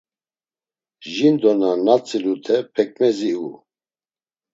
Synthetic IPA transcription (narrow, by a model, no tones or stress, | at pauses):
ʒind̪ɔnanat͡sʼilut̪ʰɛpʰɛkʼmɛziu